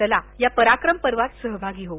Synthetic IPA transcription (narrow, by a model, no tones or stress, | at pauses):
əlajapəɾakɾəmpəɾʋat̪səɦbʱaɡiːɦo